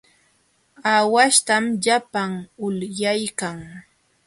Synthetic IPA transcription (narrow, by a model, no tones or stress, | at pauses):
awaʃt̪amʎapaŋʊljajkaŋ